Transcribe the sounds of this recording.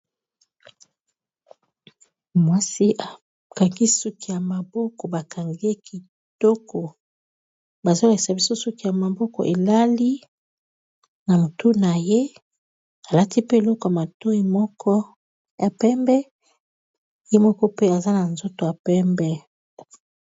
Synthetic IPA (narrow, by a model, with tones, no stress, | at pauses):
mwa˦si˦ʔa˨ | ka˨ŋɡi˦su˦ki˦ja˨ma˨bɔ˦kɔ˨ba˨ka˨ŋɡe˦ki˨ | tɔ˦kɔ˨ | ba˨za˦la˨i˨sa˨bi˦so˦so˦ki˦ja˨ma˨bɔ˦kɔ̰˨ʔe˨la˦li˦ | na˨mo˨tu˦na˨je˦ | a˨la˦ti˦pe˦e˨lɔ˦kɔ˨ja˨ma˨to˦i˦mɔ˦kʰɔ˦ | ja˨pɛ˦mbɛ˦ | je˦mɔ˦kɔ˦pe˦a˨za˦na˨nzo˦to˨ja˨pɛ˦mbɛ˦